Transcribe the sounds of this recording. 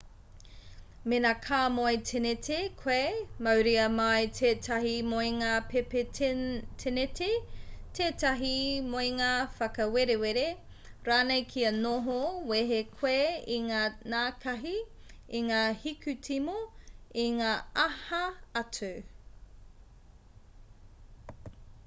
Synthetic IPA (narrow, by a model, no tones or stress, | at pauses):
menaːkʰaːmoetʰenetʰekʰwemɐwɾiɐmɐjtʰeːtʰɐɦimoiŋaːpepe | tʰenetetʰeːtɐɦimoiŋaːfɐkɐweɾeweɾe | ɾaːnejkʰiɐnoɦoweɦekʰweiŋaːnaːkʰɐɦi | iŋaːhikʰʉtʰimoiŋaːɐhɐɐtu